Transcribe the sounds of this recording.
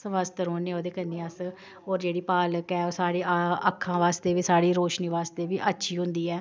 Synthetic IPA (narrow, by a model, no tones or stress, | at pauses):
sʋəst̪əɾoːneːoːd̪eːkənːeːəs | oːɾd͡ʒeːɽiːpaːləkɛːoːsaːɽiːəkʰːãːʋaːst̪eːʋiːsaːɽiːɾoːʃniːʋaːst̪eːʋiːʔətːʃʰiːɦʊ̃nd̪iːɛː